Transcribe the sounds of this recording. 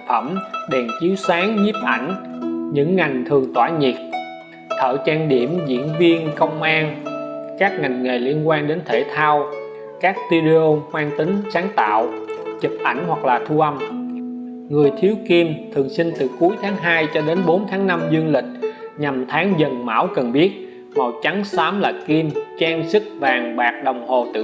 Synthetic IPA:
fə˧˩mɗɛ˨˩nt͡ɕi˨˦wsaː˨˦ŋɲi˦˥p̚ʔa̰˧˩jŋ̟ɲɨ̰˧˥ŋːa˨˩jŋ̟t̪ʰɨ˨˩əŋt̪waː˧˩ɲi˨˩k̚ | t̪ʰə̰ː˧˩t͡ɕaː˧ŋɗi˧˩əmzḭ˧˥ənvi˧ənkə˧wŋ͡mʔaː˧ŋkaː˦˥k̚ŋa˨˩jŋ̟ŋe˨˩li˧ənkwaː˧nɗe˨˦nt̪ʰe˧˩t̪ʰaː˧w | kaː˦˥k̚t̪i˧ɗe˧o˧hwaː˧ŋt̪ï˨˦ŋ̟saː˨˦ŋt̪a̰ː˧˨wt͡ɕɨ˨˩p̚ʔa̰˧˩jŋ̟hwa˨˩k̚laː˨˩t̪ʰu˧ʔa˧m | ŋɨ˨˩əjt̪ʰi˨˦əwki˧mt̪ʰɨ˨˩əŋsï˧ŋ̟t̪ɨ˨˩ku˨˦əjt̪ʰaː˨˦ŋɦaː˧jt͡ɕɔ˧ɗe˨˦nɓo˨˦nt̪ʰaː˨˦ŋna˧mzɨ˧ənlï˨˩k̟̚ɲa˨˩mt̪ʰaː˨˦ŋzə˨˩nma̰ː˧˥˩wkə˨˩nɓi˦˥ət̚ | mɔ˨˩wt͡ɕa˨˦ŋsaː˨˦mlaː˨˩ki˧mt͡ɕaː˧ŋsɨ˦˥k̚vaː˨˩ŋɓaː˨˩k̚ɗə˨˩wŋ͡mho˨˩t̪ɨ̰˧

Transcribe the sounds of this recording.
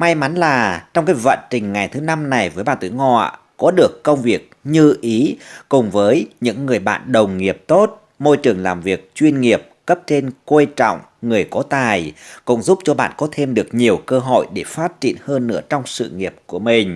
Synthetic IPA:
ma˧jma˨˦nlaː˨˩t͡ɕɔ˧wŋ͡mkaː˨˦jvə̰˧˨nt͡ɕï˨˩ŋ̟ŋa˨˩jt̪ʰɨ˨˦na˧mna˨˩jvəː˨˦jɓa̰ː˧˨nt̪i˧˦ŋɔ̰˧˨ | kɔ˨˦ɗɨ˨˩əkːə˧wŋ͡mvi˨˩ək̚ɲɨ˧ʔi˨˦kʊ˨˩ŋ͡mvəː˨˦jɲɨ̰˧˥ŋːɨ˨˩əjɓa̰ː˧˨nɗə˨˩wŋ͡mŋi˨˩əp̚t̪o˦˥t̚ | mo˧jt͡ɕɨ˨˩əŋlaː˨˩mvi˨˩ək̚t͡ɕwi˧ənŋi˨˩əp̚kə˦˥p̚t͡ɕe˧nkwe˧t͡ɕɔ̰˧˨wŋ͡m | ŋɨ˨˩əjkɔ˨˦t̪aː˨˩jkʊ̰˧˥ŋ͡mzu˦˥p̚t͡ɕɔ˧ɓa̰ː˧˨nkɔ˨˦t̪ʰe˧mɗɨ˨˩ək̚ɲi˨˩əwkəː˧ɦo̰˧˨jɗe˧˩faː˦˥t̚t͡ɕḭ˧˨ənhəː˧nːɨ̰˧˥ət͡ɕɔ˧wŋ͡msɨ̰˧˨ŋi˨˩əp̚ku˧˩əmï˨˩ŋ̟

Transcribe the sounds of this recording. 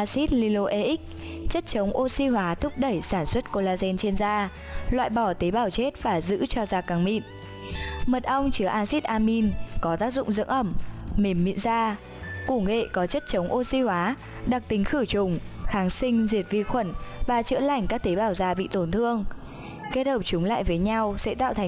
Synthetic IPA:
ʔa˧si˦˥t̚li˧lo˧ʔe˧ʔi˦˥k̚ | t͡ɕə˦˥t̚t͡ɕə˨˦wŋ͡mʔo˧si˧hwaː˨˦t̪ʰʊ˦˥k͡p̚ɗə˧˩jsaː˧˩nswə˦˥t̚ko˧laː˧zɛ˧nt͡ɕe˧nzaː˧ | lwa̰ː˧˨jɓɔ˧˩t̪e˨˦ɓaː˧˩wt͡ɕe˦˥t̚vaː˨˩zɨ̰˧˥t͡ɕɔ˧zaː˧ka˨˦ŋmḭ˧˨n | mə˨˩t̚ʔa˧wŋ͡mt͡ɕɨ˨˦ʔaː˧si˦˥t̚ʔaː˧mi˧nkɔ˨˦t̪aː˦˥k̚zʊ̰˧˨ŋ͡mzɨ̰˧˥əŋʔə˧˩mːe˨˩mːḭ˧˨nzaː˧ | ku˧˩ŋḛ˧˨kɔ˨˦t͡ɕə˦˥t̚t͡ɕə˨˦wŋ͡mʔo˧si˧hwaː˨˦ | ɗa˨˩k̚t̪i˨˦ŋ̟xɨ˧˩t͡ɕʊ˨˩ŋ͡mxaː˨˦ŋsï˧ŋ̟zi˨˩ət̚vi˧xwə˧˩nvaː˨˩t͡ɕɨ̰˧˥əla˧˩jŋ̟kaː˦˥k̚t̪e˨˦ɓaː˧˩wzaː˧ɓḭ˧˨t̪o˨˩nt̪ʰɨ˧əŋ | ke˦˥t̚həː˧˩p̚t͡ɕʊ˨˦ŋ͡mla̰ː˧˨jvəː˨˦jɲa˧wsɛ̰˧˥t̪a̰ː˧˨t̪ʰ

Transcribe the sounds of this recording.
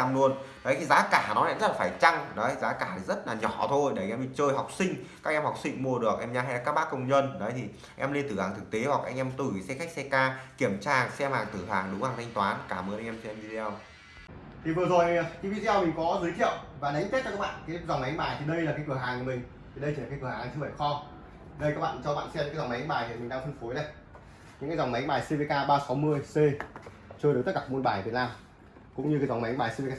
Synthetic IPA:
a˧mlu˧ənnɔ˨˦jt̪ʰi˨zaː˨˦kaː˧˩nɔ˨˦la̰ː˧˨zə˦˥laː˨˩faː˧˩jt͡ɕa˧ŋɗɔ̰˨˦jzaː˨˦kaː˧˩˨zə˦˥t̚laː˨˩ɲɔ˧˩t̪ʰo˧jɗe˧˩˨ʔɛ˧mi˨˩t͡ɕəː˧jɦa˨˩wk͡p̚sï˧ŋ̟kaː˦˥k̚ʔɛ˧mha˨˩wk͡p̚sï˧ŋ̟mu˧əɗɨ˨˩ək̚ʔɛ˧mɲaː˧ɦa˧jla˨˩kaː˦˥k̚ɓaː˦˥kːə˧wŋ͡mɲə˧nɗə˨˦jt̪ʰi˨˩ | ʔɛ˧mle˧nt̪ɨ˧˩haː˨˩ŋt̪ʰɨ˨˩k̚t̪e˨˦hwa˨˩k̚ʔa˧ŋʔɛ˧mt̪ɨ˨˧˩sɛ˧xa˦˥k̚sɛ˧kaː˧ki˧˩əmt͡ɕaː˧˩sɛ˧mhaː˨˩ŋt̪ɨ˧˩ɦaː˨˩ŋɗʊ˨˦haː˨˩ŋt̪ʰa˧jŋ̟t̪waː˨˦nkaː˧˩mɨː˨˧nʔjʔɛ˧mt͡ɕɛ˧mvi˧t̪ʰɛ˧w | t̪ʰi˨˩vɨ˨˩əzo˨˩jt̪i˧˦vi˧ɗi˧ɛ˧wmï˨˩ŋ̟kɔ˨˦zɨː˨˦jt̪ʰḭ˧˨əwvaː˨˩ɗa˨˦ŋke˦˥t̚t͡ɕɔ˧kːaː˦˥ɓa̰ː˧˨nkaː˨˦za˨˩wŋ͡mma˨˦jŋɓaː˨˩jt̪ʰi˨˩ɗə˧jlaː˨˩kaː˨˦jkɨ˧˩əɦaː˨˩ŋku˧˩əmï˨˩ŋ̟t̪ʰi˨˩ɗə˧j̪ʰi˨˩˨aː˨˦kɨ˧˩ə˨haː˨˩t͡ɕɨ˧ɓə˨˧˩xɔ˧ | ɗə˧jka˦˥k̚ɓa̰ː˧˨t͡ɕɔ˧ɓa̰ː˧˨nsɛ˧mɨ˧˥aː˨˦za˨˩m˨˦jɓaː˨˩jt̪ʰi˨˩mï˨˩ɗaː˧ŋfə˧nfo˨˦jnə˧˩j | ɲɨ̰˧˥kaː˨˦za˨˩wŋ͡mma˨˦jŋɓaː˨˩jse˧ve˨˧kaː˧ɓaː˧sa˨˦mɨ˧əjse˧ | t͡ɕɨ˧ɗɨ˨˦t̪ə˦˥kaː˧˩mu˧nɓaː˨˩vi˨˩ət̚naː˧m | kʊ̰˧˥ŋ͡mɲɨ˧kːaː˨˦jza˨˩wŋ͡mma˨˦jŋɓaː˨˩jsve˧kaː˧

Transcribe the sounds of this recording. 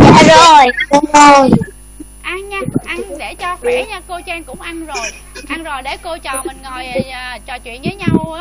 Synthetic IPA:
a̰ː˧˨˩zo˨˩jkɔ˧˦ŋ͡mzo˨˩j | ʔa˧nɲaː˧˥ʔa˧ɗe˧˩t͡ɕɔ˧fɛ˨˦ɲaː˧ko˧t͡ɕɛ˧nkʊ̰˧˥ŋ͡mʔa˧nzo˨˩j | ʔa˧nzo˨˩jɗe˧˩ko˧t͡ɕɔ˨˩mï˨˩ŋŋo˨˩jːt͡ɕɔ˨˩t͡ɕwḭ˧˨ənvəː˨˦jɲa˧w

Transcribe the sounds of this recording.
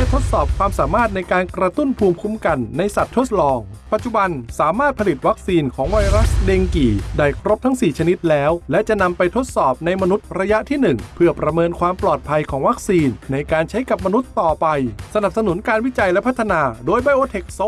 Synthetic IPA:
lɛ˥˩t̪ʰo˦˥t̪̚sɔː˨˩p̚kʰwaː˧msaː˩˦maː˥˩t̪̚na˧jkaː˧nkɾa˧t̪u˥˩npʰuː˧mkʰu˧mka˧nːa˧jsa˨˩t̪ʰːo˦˥t̪̚lɔː˧ŋ | pa˨˩t̪̚t͡ɕu˨ba˧nsaː˩˦maː˥˩t̪̚pʰa˧li˨˩t̪̚wa˦˥k̚siː˧nkʰɔː˩˦ŋwa˧jɾa˦˥sdeː˧ŋkiː˨˩daː˧˩jkʰɾo˦˥p̚t̪ʰa˦˥ŋsiː˨˩t͡ɕʰa˧ni˦˥t̪̚lɛː˦˥wlɛ˦˥ʔt͡ɕa˨˩ʔna˧mpa˧jt̪ʰo˦˥t̪̚sɔː˨˩p̚na˧jma˧nu˦˥t̪̚ɾa˧ja˦˥ʔt̪ʰiː˥˩nɯ˨˩ŋpʰɯ˥˩ɐpɾa˧mɤː˧nkʰwaː˧mplɔː˨˩t̪̚pʰa˧jkʰɔː˩˦ŋwa˦˥k̚siː˧nːa˧jkaː˧nt͡ɕʰa˦˥jka˨˩p̚ma˧nu˦˥t̪ːɔː˨˩pa˧jsa˧na˨˩p̚sa˧nu˩˦nkaː˧nwi˦˥t͡ɕa˧jlɛ˦˥pʰa˦˥t̪ʰːa˧naː˧doː˧jbaː˧jʔoː˧t̪ʰe˨˩k̚so˦˥

